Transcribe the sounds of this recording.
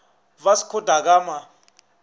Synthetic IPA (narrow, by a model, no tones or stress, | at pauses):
vasi̥kʰɔdʱak̬aːma